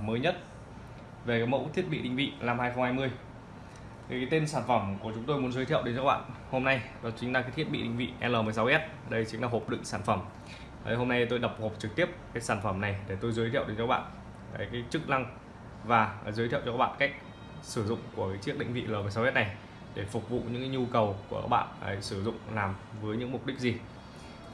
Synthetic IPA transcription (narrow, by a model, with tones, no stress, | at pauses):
məː˨˦jɲə˦˥t̚ | ve˨˩kaː˨˦jmə̰˧˥wt̪ʰi˦˥ət̚ɓḭ˧˨ɗï˧˨ŋ̟vḭ˧˨laː˧mhaː˧jxə˧wŋ͡mhaː˧jmɨ˧əj | kaː˨˦jt̪e˧nsaː˧˩nfə˧˩mku˧˩ət͡ɕʊ˨˦ŋ͡mt̪o˧jmu˨˦ənzəː˨˦jt̪ʰi˧˨əwɗe˨˦nt͡ɕɔ˧˦˥ɓa̰ː˧˨nho˧mna˧jɗɔ˨˦t͡ɕï˨˦ŋ̟laː˨kaː˨˦t̪ʰi˦˥ət̚ɓḭ˧˨ɗï˧˨ŋ̟vḭ˧˨ʔɛ˧ləː˨˩m˨əjsa˨˦wʔɛ˦˥t̚ɗə˧jt͡ɕi˨˦ŋ̟laː˨˩ɦo˨˩p̚ɗɨ̰˧˨ŋsaː˧˩nfə˧˩m˧˨ | ɦo˧mna˧jt̪o˧jɗə˨˩p̚ho˨˩p̚t͡ɕɨ˨k̚t̪i˦˥əp̚kaː˨˦jsaː˧˩nfə˧˩mna˨˩jɗe˧˩t̪o˧jzəː˨˦jt̪ʰḭ˧ə˨wɗe˨˦nɔ˧˦˥ɓa̰ː˧˨n | aː˨˦jkaː˨˦jt͡ɕɨ˦˥k̚na˧ŋ | vaː˨˩zəː˨˦t̪ʰḭ˧˨wt͡ɕɔ˧kaː˦˥ɓa̰ː˧˨nka˦˥jk̚ | sɨ˧˩zʊ̰˧˨ŋ͡mku˧˩əkaː˨˦jt͡ɕi˦˥k̚ɗï˧˨ŋ̟vḭ˧˨ləː˨˩m˨˩jsa˨˦wʔɛ˦˥t̚na˨˩j | ɗe˧˩fʊ˨˩k͡p̚vṵ˧˨ɲɨ̰˧˥ŋkaː˨˦jɲu˧kə˨˩wku˧˩əka̰˦˥k̚ɓa̰ː˧˨nə˨˧˩jsɨ˧˩zʊ̰˧˨ŋ͡mlaː˨˩mvəː˨˦jɲɨ̰˧˥ŋmʊ˨˩k͡p̚ɗï˦˥k̚zi˨˩